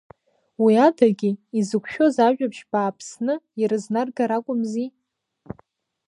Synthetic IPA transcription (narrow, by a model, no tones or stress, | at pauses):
wiatʰaɡʲiizɨkʷʰʼʃᶣo̞zaʒᶣapʃb̥aːpʰsnɨiɾɨznarɡaɾakʷʼʊmzi